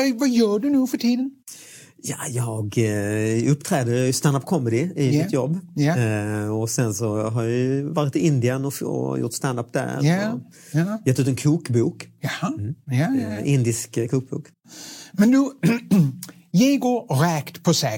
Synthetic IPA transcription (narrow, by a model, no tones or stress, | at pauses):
vajœːɖʉnʉːfœʈʰiːd̪ən | jajɑːɡ | ɵpːt̪ʰɾɛːd̪əst̪and̪apkʰɔmːɛd̪ɪɪmɪt̪ʰjɔbː | ɔsɛnsɔɦɑɾjɑvɑːɾɪt̪ɪɪnd̪ɪənɔɔ̰jʊ̰ʈ̪st̪and̪ap̚d̪æ̰ɾɔm | jɑt̪ʰːʉːt̪ɛnkʰuːkbuːkː | ʔɪnd̪ɪskkʰuːk̚bṵːk | mɛnd̪ʉ | jɛjɡoːɾɾɛkt̪pʰɔsɛ